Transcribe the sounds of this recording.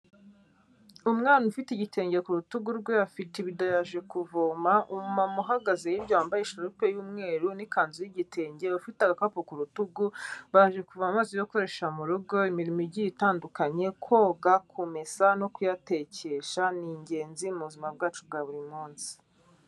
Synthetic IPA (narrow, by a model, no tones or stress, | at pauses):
umŋaːnufitiɟitʰe̞ːɲɟekuɾutuɡuɾɡweafiteβidajaʒe̞kuvomaʔumumamuɦaɡazejibɟaːmbajeʃaɾupe̞juːmŋe̞ːɾunikaːnzujiɟitʰe̞ːɲɟe̞βafitaɡakapokuɾutuɡuβajaʒekuvamamaːzojo̞koɾe̞ʃamuɾuɡo̞imiɾimiɟijitaːndukaɲe̞kʰwoːɡakʰumesano̞kujate̞ce̞ʃaniɲɟe̞ːnziumuβuzimab̚ɡaːt͡ʃub̚ɡaːβuɾimuːnsi̥